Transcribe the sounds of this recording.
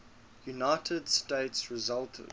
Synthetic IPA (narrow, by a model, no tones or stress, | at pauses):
junaɪtʰədsteɪtsɹɪzalˠtʰə̰